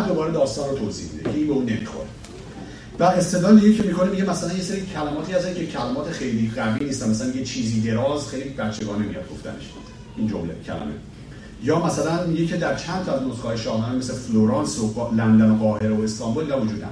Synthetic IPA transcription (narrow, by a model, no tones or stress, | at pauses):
æd̪o̞bɒːɾed̪ɒːst̪ɒːnrot̪ʰoːziːhmid̪ecʰeiːnbeuːne̞mḭxo̰ɾe | væest̪edlɒːnd̪ijecʰemikʰo̞nemiɟemæsælænjeseɾiːcʰælæmɒːt̪ʰiːæszæcʰecʰælæmɒːt̪ʰexe̞jliːɢæviːnist̪ænmæsælænjet͡ʃʰiːziːd̪e̞ɾɒːzxejlibæt͡ʃːe̞ɡɒːne̞mḭjɒ̰d̪̚ɡo̞̰ft̪æ̰ne̞̰ʃ | ʔiːnd͡ʒo̰mle̞cʰæ̰læ̰me̞̰ | jɒːmæsælænmiɟecʰe̞d̪æɾt͡ʃʰænt̪ʰɒæznozkɒːjeʃɒːhɦæːnemeslefloɾɑnsolænd̪ænoɣɒːhe̞ɾoest̪ɒmbulnævod͡ʒuːd̪næ̰ɾ